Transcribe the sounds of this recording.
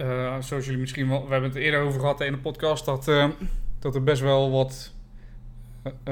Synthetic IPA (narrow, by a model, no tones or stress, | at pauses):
əasosjɵlimɪsχiənɔlˠʋəɦɛbənətɪːədərowvərχəɦɑtːɪndəpɔtkɑstdɔt | d̥ɔtərbɛs̬tʋɛlˠʋɔt